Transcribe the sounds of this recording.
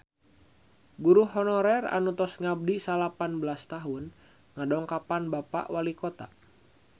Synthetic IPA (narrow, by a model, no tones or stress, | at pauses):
ɡuɾuɦɔnɔɾɛra̰nut̪ɔsŋab̚disalapanbəlast̪aɦun | ŋadɔŋkapanbapa̰ʔwalikɔt̪a̰